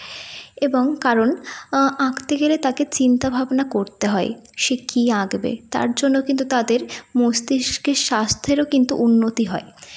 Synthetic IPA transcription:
eboŋkaɾonãɡt̪eɡelet̪aket͡ɕint̪abʱabnakoɾt̪eɦɔeʃekiãɡbḛt̪a̰ɾd͡ʑonːokint̪ut̪ad̪eɾmosd̪iʃkeʃast̪ʰeɾokint̪uʔunːot̪iɦɔe

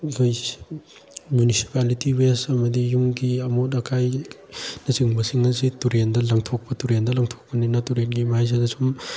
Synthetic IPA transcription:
kʰoj | munisi̥palitiwesɐmɐdijuŋɡiɐmotɐkʰaj | nɐsiŋbɐsiŋɐzituɾendɐlɐŋtʰok̚pɐtuɾendɐlɐŋtʰo̥k̚pɐninɐtuɾenɡimajs̬adɐsum

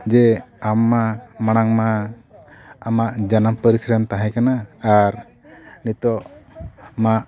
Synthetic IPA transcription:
d͡ʒɛamːamaɽ̃aŋma | amaʔd͡ʒanampəɾisɾəmt̪aɦɛ̃kanaːɾ | nit̪ɔʔ | maʔ

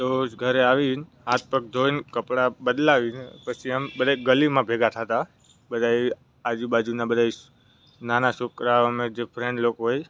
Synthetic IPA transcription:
t̪osɡʱəɾeaʋin | ãt̪̚pək̚d̪ʱonkəpɽabəd̪laʋinepət͡ʃʰiambəd̪ʱajɡəlimãbʱeɡat̪ʰat̪a | bəd̪ʱai | ad͡ʒubad͡ʒunabəd̪ʱa | nanaʃukɾaəmed͡ʒepʰɾẽɳɖlokɦoj

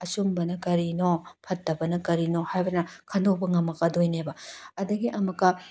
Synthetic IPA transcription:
ɐsumbɐnɐkɐɾinopʰɐtːɐbɐnɐkɐɾinohajbɐnɐkʰɐndok̚pɐŋɐmːɐkːɐdojnebɐɐdɐɡiʔɐmɐkːɐ

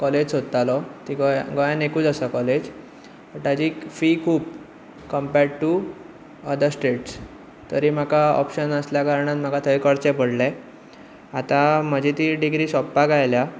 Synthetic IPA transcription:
kɔled͡ʑsot̪t̪alɔt̪iɡɔjɡɔjanekuːt͡səsakɔled͡ʑ | tət̪ad͡ʑiːfiːkʰuːp̚ | kəmpeɾɖʈu | əd̪əɾsʈeʈs | t̪əɾiːm̤akaɔ̰pɕənəsljakaɾɳat̪m̤akat̪ʰəjkəɽt͡ɕẽpəɽlɛ̃ | at̪am̤əd͡ʑʱit̪iːɖiɡɾiːsɔpːaɡajlja

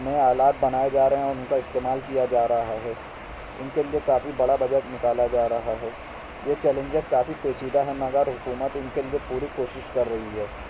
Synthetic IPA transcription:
mẽaːlaːt̪̚bɐnaːed͡ʒaːɾɐɦɛ̃ɔːɾʊnkaɪst̪eːmaːlkijad͡ʒaːɾɐɦaɦɛː | ʊnkeliekaːfibɐɽabɐd͡ʒəɾʈnɪkaːlad͡ʒaːɾɐɦaɦɛː | jet͡ʃɛːlə̃ɲd͡ʒəzkaːfipeːt͡ʃiːd̪aɦɛmɐɡəɾɦʊkuːmət̪ʊnkeliepuːɾikoːʃɪʃkɐɾːɐɦiɦɛː

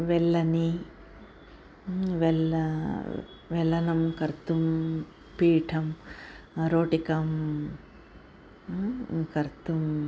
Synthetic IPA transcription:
ʋɛɭːɐni | ʋɛlɐ | ʋɛlːɐnɐmkɐɾt̪um | piːʈʰɐm | ɾoːʈikɐm | kɐɾt̪um

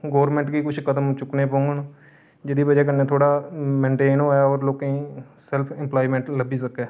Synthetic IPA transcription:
ɡoːʋəɾmɛ̃ɳʈɡiːkʊt͡ʃʰkəd̪əmt͡ʃʊkneːpõːŋɡən | d͡ʒeːd̪iːbəd͡ʒɛːk̬əneːt̪ʰoːɽaːmɛ̃ːɳʈeːnoːaɔːɾloːkĩːsɛlpʰɪmplaːiːmɛ̃ːɳʈləbiːsəkːɛː

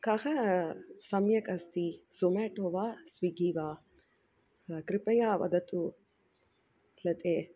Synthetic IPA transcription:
kɐɣɐ | sɐmjɐkɐst̪izomeːʈoːʋaːsʋiɡiːʋaː | kɾipɐjaːʋɐ̰d̪ɐt̪u | lɐt̪eː

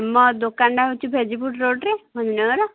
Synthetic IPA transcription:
mɔd̪okaɳɖaɦut͡ʃʰubʱed͡ʒipuʈɾoɖɾemʱɔninɔɾɔ

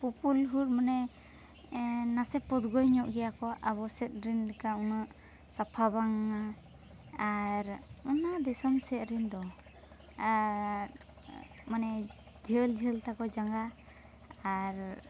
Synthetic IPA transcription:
pupulɦuɾ̚mɔnɛ | nasɛpɔd̪ɡɔjɲɔʔɡɛjakɔʔaβɔsɛt̪̚ɾinlɛkaunaʔ | sapʰabaŋa | aɾunaʔd̪ɛsɔmsɛt̪̚ɾind̪ɔ | a | manɛ | d͡ʒʱəld͡ʒʱəlt̪akɔd͡ʒaŋɡaː | ɾ

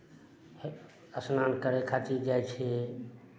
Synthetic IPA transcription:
h | əsnaːnkəɾekʰaːt͡ʃid͡ʒaːjt͡ʃʰeː

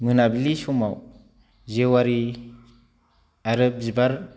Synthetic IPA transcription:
mɯnabilisɔmaw | zewaɾi | aɾɯp̚zibaɾ

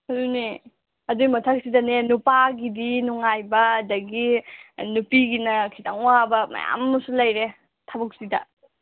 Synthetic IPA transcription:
ɐɾuni | ɐduɡimɐtʰɐk̚sidɐnenupaɡidinuŋajbɐːdɐɡinupiɡinɐkʰitaŋuwabɐmɐ̰ja̰mɐsulɐjɾe | tʰabɐk̚sidɐ̰

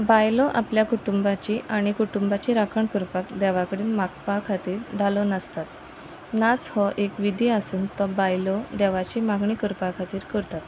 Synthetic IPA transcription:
bajlɔʔapljakuʈumbat͡ɕiːʔaɽ̃ikuʈumbat͡ɕiːɾakʰəɳkəɾpakd̪ɛʋakəɽiːnmak̚pakʰat̪iːɾd̪ʱalɔnəst̪at̪ | nat͡shɔʔekʋid̪ʱiːəsuːnt̪ɔbajlɔd̪ɛʋat͡ɕiːmaɡɳikəɾpakʰat̪iːɾkəɾt̪at̪

